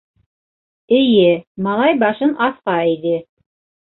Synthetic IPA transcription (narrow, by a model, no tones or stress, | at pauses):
ɘ̆jɘmɑlˠɑjbɑʃɤnʔɑθqɑiðɘ